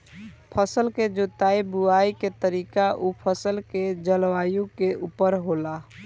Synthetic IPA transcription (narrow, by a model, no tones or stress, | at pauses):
pʰəsəlked͡ʒot̪aibuaiket̪əɾikaʔupʰəsəlked͡ʒəlʋajũkeupəɾɦola